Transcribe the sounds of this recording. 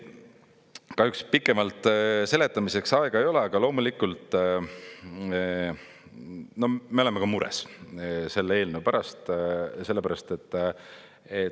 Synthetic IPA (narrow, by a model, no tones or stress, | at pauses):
kɑhykspikːˑe̞mɑlt̪ˑse̞let̪ːˑɑmise̞ksɑeɡ̥ɑe̞jo̞le̞ɑɡ̥ɑlo̞ːmulikult̪ˑ | no̞hme̞oleme̞kɑmuɾḛsse̞lːee̞ːlneupæɾɑst̪se̞lːe̞pæɾɑst̪e̞t̪ːˑ | e